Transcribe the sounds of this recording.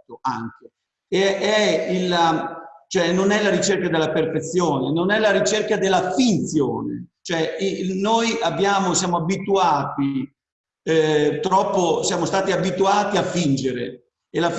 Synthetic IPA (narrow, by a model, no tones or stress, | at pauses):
t̪oa̰ŋk̟e | eɛilat͡ʃoɛnonɛlaɾit͡ʃerkad̪elːaperfet̪sːjoːnenonɛlaɾit͡ʃerkad̪elːafint̪sjo̰ːnḛt͡ʃoɛinojabːjaːmosjaːmoabit̪uaːt̪i | t̪ɾɔpːosjaːmost̪aːt̪iabit̪uaːt̪iafind͡ʒeɾḛ | elaf